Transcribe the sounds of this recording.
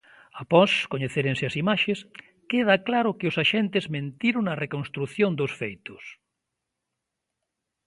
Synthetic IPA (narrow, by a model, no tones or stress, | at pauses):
apɔskoɲeθeɾẽŋsɪɐsimaʃes | keð̞aklaɾʊkɪʊsaʃent̪ezmẽnt̪iɾʊnɐrekõnst̪ɾuθjõnd̪ʊsfejt̪ʊs